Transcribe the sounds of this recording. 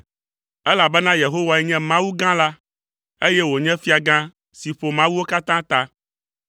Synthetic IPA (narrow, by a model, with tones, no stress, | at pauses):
ɛ˦la˨bɛ˦nã˦je˨ɦo˦wa˨ɛ˦ɲɛ̃˦mã˦wu˦ɡã˦la˦ | e˦jɛ˦wo˨ɲɛ̃˦fi˦a˨ɡã˦ | si˨ɸo˨mã˦wu˦wo˦ka˦t̪ã˦t̪a˦